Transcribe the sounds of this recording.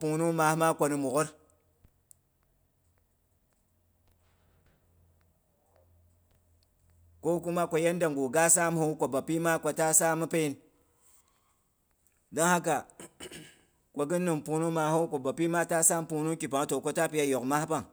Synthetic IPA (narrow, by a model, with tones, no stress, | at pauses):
pu˨nu˦ŋma˨hma˦kʷo˧ni˨mu˨ko˦ɾ | ko˦ku˦ma˦kʷo˨je˦nda˨ŋɡu˨ɡa˦sa˦m˦hu˦ko˨ba˨pi˦ma˦kʷo˨ta˦sa˦mɨ˦pe˦i˦n | da˦ŋha˦ka˨ | kʷo˨ɡi˦nːɨ˨mpu˨nu˦ŋma˨hu˦kʷo˨ba˨pi˦ma˦ta˦sa˦m˦pu˧nu˦ki˨p̬a˨ŋ˦to˨ko˦ta˦pi˦ja˦jo˨kma˦pa˦ŋ